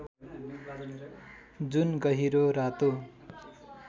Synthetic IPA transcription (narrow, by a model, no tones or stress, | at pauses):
d͡zunɡʌɦiɾoɾat̪o